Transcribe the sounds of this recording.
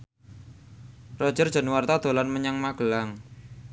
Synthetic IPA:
rɔd̥ʒ̥ərd̥ʒ̥ə̤nwart̪ad̪̥o̤lanməɲaŋmaɡ̥əlaŋ

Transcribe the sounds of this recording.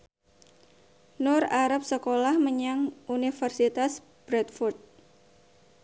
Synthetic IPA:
nʊraɾap̚səkolahməɲaŋʔunifərsit̪as | b̥ɾɛt̪furt̪̚

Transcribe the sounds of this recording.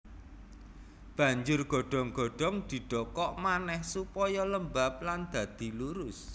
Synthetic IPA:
b̥ä̤ɲd͡ʒʊrɡ̥ɔ̤ɖ̥ɔ̤ŋɡ̥ɔ̤ɖ̥ɔ̤ŋd̪̥i̤ɖ̥ɔ̤kɔʔmanɛhsupɔjɔləmbap̚land̪̥ä̤d̪̥i̤luɾʊs

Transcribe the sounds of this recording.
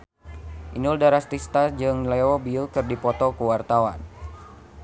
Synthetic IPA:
ʔinuldaɾast̪ist̪ad͡ʒɨŋleɔbiulkɨrdipɔt̪ɔkuwart̪awan

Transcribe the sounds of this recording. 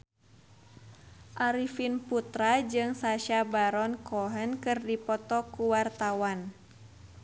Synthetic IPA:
ʔaɾifinput̪ɾad͡ʒɨŋsaʃabaɾɔnkɔɦənkɨrdipɔt̪ɔkuwart̪awan

